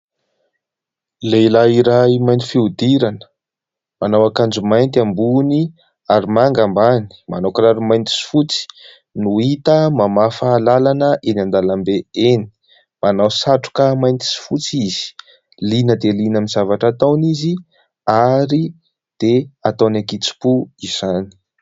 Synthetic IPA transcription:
lelaiɾaimajnt̪ifiud̪iɾanə̥ | manawakand͡ʒumajnt̪ambuni | aɾimaŋɡambani̥manokɾaɾimajnt̪i̥si̥fut͡si̥ | nuit̪əmamafaːlalanəʔenand̪alambeeni̥ | manawsaʈ͡ʂu̥kəmajnt̪i̥si̥fut͡siz̥i̥ | linəd̪elinamizavaʈ͡ʂat̪awnizi | aɾi | d̪̥eat̪awnakit͡si̥puiz̥ani̥

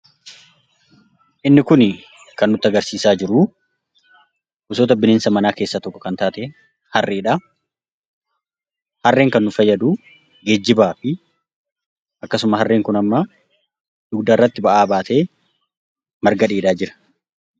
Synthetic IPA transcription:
ʔɪnːɪkʊn | kɐnːʊt̪ːɪɐɡɐɾsiːsaːd͡ʒɪɾʊ | ʔʊsoːt̪̬ɐbɪneːnsɐmɐnaːke̞ːsːaːt̪ɔkːɔ̥kɐnt̪aːt̪e | hɐrːʔeːᶑaː | hɐrːe̞ːŋkɐnːʊfɐjːɐd̪u | ɡed͡ʒːɪbaːfɪ | ʔɐkːɐsʊmɐɦɐrːe̞ːŋkʊnɐmːɐ | d̪ʊɡd̪arːɐt̪ːɪbɐʔaːbaːt̪e̞ː | mɐɾɡɐᶑiːᶑ̪aːd͡ʒɪɾɐ̥

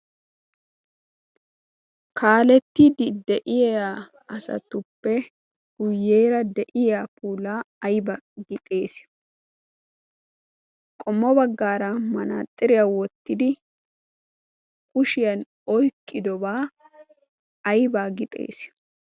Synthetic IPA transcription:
kʰaːlɛt̪ːid̪ɪd̪ɛʔɪjɛa | ɐsɐ̰t̪ːʊpːɛ | ɡ̥ʊjːeːɾɐd̪ɛʔɪjapuːlaːɐjbɐɡɪt̪ʼe̞ːsɪ̥ | kʼɔmːɔbɐɡːaːɾɐmɐna̰ːt̪ʼːɪɾɪjawɔt̪ːɪd̪ɪ | kʼʊʃɪjɐn | ɔjkʼːɪd̪ɔbaː | ɐjbaːɡɪt̪ʼe̞̰ːsɪ

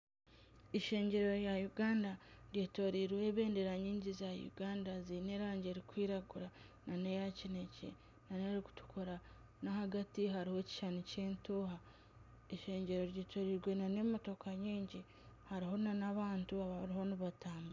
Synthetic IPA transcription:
iʃe̞ːɲɟe̞ɾo̞ɾjajuɡaːndaɾjeːto̞ɾiɾwe̞βe̞ːnde̞ɾaɲiːɲɟizajṵɡaːndazineɾaːɲɟe̞ɾikwiːɾaɡuɾa | nane̞jacine̞cḛ | nane̞ɾiku̥tu̥kʰo̞ɾa | nahaɡatiɦaɾiho̞ci̥ʃanuce̞ːntoːɦa | eʃe̞ːɲɟe̞ɾo̞ɾjeːtʰo̞ɾiɾɡwe̞nane̞moto̞kʰaɲiːɲɟi | haɾiɦo̞nanaβaːntuaβaɾiho̞niβataːmba

